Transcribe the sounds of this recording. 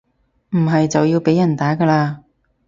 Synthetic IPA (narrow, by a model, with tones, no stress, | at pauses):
m̩˨˩ɦɐ˨jt͡sɐ˨wjiː˧wpe˨˥jɐ˨˩nt̪aː˨˥ɡɐː˧laː˧